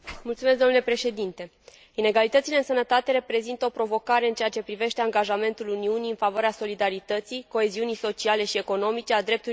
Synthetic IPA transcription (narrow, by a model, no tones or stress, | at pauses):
mult̪sumesd̪omnule̞pɾe̞ʃe̞d̪int̪e̞ | ine̞ɡalit̪ət̪sile̞ɨnsənət̪at̪e̞ɾe̞pɾe̞zint̪əopɾo̞vo̞kaɾe̞ɨnt͡ʃeat͡ʃe̞pɾive̞ʃt̪e̞aŋɡaʒame̞nt̪uluniuniɨnfavoaɾeaso̞lid̪aɾit̪ət̪sijko̞e̞ziunijso̞t͡ʃiale̞ʃie̞ko̞no̞mit͡ʃe̞ad̪ɾe̞p̚t̪u